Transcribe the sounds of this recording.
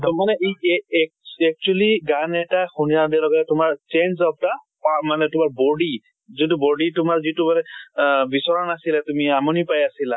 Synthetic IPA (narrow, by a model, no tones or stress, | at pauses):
tmanɛʔejk̚ɛk̚t͡ʃualiɡanɛtaxunijadilɔɡɔtɛtʊmaɹt͡ʃenzɔp̚ʰta | pamanɛtʊmaɹbɔɖi | zit̬ubɔɖitʊmaɹzitumanɛbisɔɹanasilatumiamɔnipajasila